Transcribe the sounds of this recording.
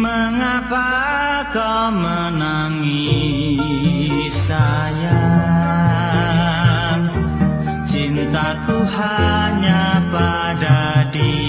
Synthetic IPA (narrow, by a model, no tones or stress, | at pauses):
məŋapa | kɔ | mə | na | ŋi | saja | t͡ʃint̪akuɦaɲapa | dadi